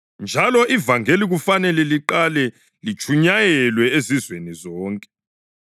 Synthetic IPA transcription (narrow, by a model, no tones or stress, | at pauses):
nd͡ʒʱalɔʔivaŋeliɣufanɛlɛliǃalɛ | lit͡ʃʰʼuɲajɛlwɛezizwenizɔːŋkʼɛ̥